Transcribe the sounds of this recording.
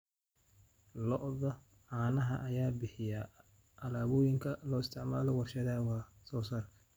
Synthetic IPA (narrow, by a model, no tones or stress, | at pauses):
lɔʔðɐ | aːnɐɦɐʔɐjaːbɪħɪja | ʔɐlaːβɔːjɪŋkʰɐlɔːɪst̪ʰɪʕmaːlɔwɑrʃɐðaːwɑːsɔːsaːrkʰɐ̥